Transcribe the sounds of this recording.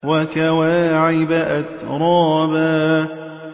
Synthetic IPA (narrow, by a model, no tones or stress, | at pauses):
wakawaːʕɪbaʔat̪ɾˤɑːbaː